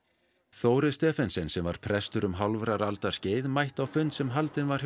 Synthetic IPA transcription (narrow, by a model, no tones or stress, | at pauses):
θoːwɾɪst̪ɛːfɛnsɪnsɛmva̰ɾ̥pʰɾɛst̪ʏɾʏmɦawlvɾaɾalt̪ḁsceːjðmajht̪awfʏnːsɛmɦalt̪ɪnvaɾ̥